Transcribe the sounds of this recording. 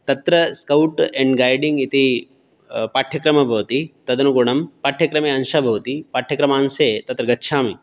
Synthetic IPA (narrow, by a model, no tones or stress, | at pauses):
t̪ɐt̪ɾɐskɐwʈeɳɖɡaːjɖiŋɡit̪i | paːʈʰjɐkɾɐmɐbʱɐʋɐt̪it̪ɐd̪ɐnuɡuɳɐmpaːʈʰjɐkɾɐmeːɐnʃɐbʱɐʋt̪ipaːʈʰjɐkɾɐmaːnseːt̪ɐt̪ɾɐɡɐt̪ːʃʰaːmi